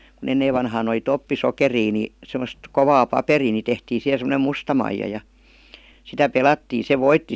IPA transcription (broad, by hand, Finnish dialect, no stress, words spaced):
kun enːeːʋ ʋɑnhɑːn oli topːisokeriː ni semost koʋɑː pɑperiː ni tehtiː sihe semə̆nem mustɑ mɑijɑ jɑ sitæ pelɑtːiː se ʋoitːi